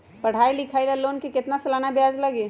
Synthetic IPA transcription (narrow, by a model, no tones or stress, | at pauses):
pɐɽ̤aːilɪkʰaːilaloːnkikɪt̪nasɐlaːnabjaːzlɐɡiː